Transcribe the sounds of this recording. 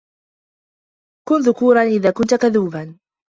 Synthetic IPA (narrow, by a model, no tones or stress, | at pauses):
kʊnðʊkuːɾˤɑnʔɪðaːkʊnt̪ʊkaðuːban